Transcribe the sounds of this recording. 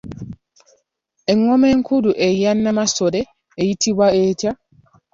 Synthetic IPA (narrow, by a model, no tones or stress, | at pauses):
ʔɛŋɔmɛŋkuduʔɛjanːamasɔdɛː | jitʰiwaɛːta